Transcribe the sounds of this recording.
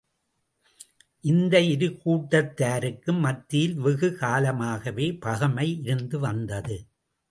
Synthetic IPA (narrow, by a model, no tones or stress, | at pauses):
ʔɪnd̪ɐɪɾɯkːuːʈːɐt̪ːaːɾɯkːɯmːɐt̪ːɪjɪlʋɪɣɯkaːlɐmaːɣɐʋeːpɐɣɐmɐɪɪɾɯnd̪ɯʋɐnd̪ɐðɯ